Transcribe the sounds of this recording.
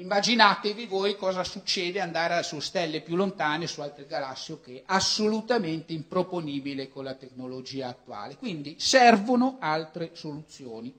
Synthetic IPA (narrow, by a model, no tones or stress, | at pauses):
imːad͡ʒinaːt̪evivoːjkɔːzasut͡ʃːeːd̪eand̪aːɾasust̪ɛlːepjulːont̪aːnesualt̪ɾeɡalasːiok̟eʔasːolut̪ament̪eimpɾoponiːbilekonlat̪eknolod͡ʒiːaːt̪ːua̰ːlekwind̪isɛrvonoalt̪ɾesolut̪sːjoːni